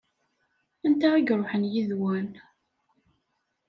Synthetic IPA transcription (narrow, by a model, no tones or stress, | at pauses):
ænt̪æiɡɾˤoħənjiðwæn